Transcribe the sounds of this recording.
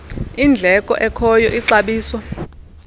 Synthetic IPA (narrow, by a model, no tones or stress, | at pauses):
ind͡ɮʱɛkʼɔ̰ʔɛkʰɔjɔ̰ʔiǀaɓiːswa